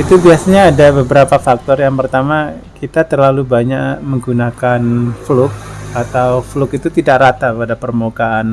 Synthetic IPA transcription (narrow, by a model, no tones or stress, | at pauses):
it̪ubiasaɲaːdabəbəɾapafak̚t̪ɔrjaŋpərt̪ama | kit̪at̪ərlalubaɲaʔməŋɡunakanflʊk̚at̪awflʊkit̪ut̪idaʔrat̪apadapərmukaːn